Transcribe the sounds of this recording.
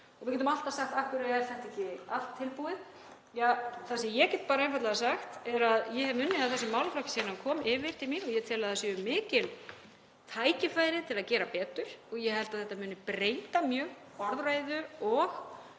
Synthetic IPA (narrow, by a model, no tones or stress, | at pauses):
ɔɣmɪɾcɛt̪ʏmalt̪ḁsaxt̪ahkʏɾaɛɾθɛht̪ɛhcɪal̥t̪ʰːɪlpuɪð | jaθasɛmjɛcɛt̪̚paːɾaɛnfat̪laðasaxt̪ɛɾaðjɛhɛvmʏnːɪaðθɛsːʏmawlflɔcsinankʰɔːmɪːvɪɾ̥t̪ʰɪlmiɾɔɣjɛt̪ʰɛːlaðasjɛʏmːɪːcɪl | t̪ʰaːjcɪfaːjɾɪt̪ʰɪlaðcɛːɾapɛːt̪ʏɾ̥ɔɣjɛhɛlt̪aðθɛht̪ːamʏːnɪpɾeːjt̪amjœːɣ | ɔɾðraːjðʏɔɣ